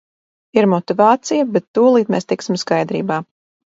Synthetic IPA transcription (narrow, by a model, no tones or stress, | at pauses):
iɾmɔt̪ivaːt̪sijabɛt̪ːuɔlˠiːt̪meːst̪iksimskajd̪ɾḭːbaː